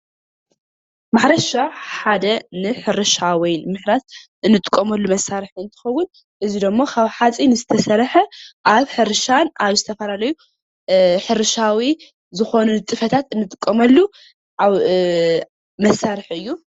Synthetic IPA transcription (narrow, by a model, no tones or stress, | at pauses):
maħɾɐʃaħad̪ɐnɨħɨɾɨʃawijnmɨħɾat̪ʔɨnːɨt̪ʼɨkʼːɐmɐlːumɐsːaɾɨħɨnt̪ʰɨ̥xɐwːʊn | ʔɨzid̪ɨmːokʰaβħat͡sʼinɨzɨt̪ʰɐsɐɾħɐʔaβħɨɾɨʃanʔaβzɨt̪ʰɐfɐlalɐju | ħɨɾɨʃawi | zɨxo̞nut̪ʼɨfɐt̪ʰat̪ɨnːɨt̪ʼɨkʼːɐmɐlːu | ʔaβ | mɐsːaɾɨħɨjːu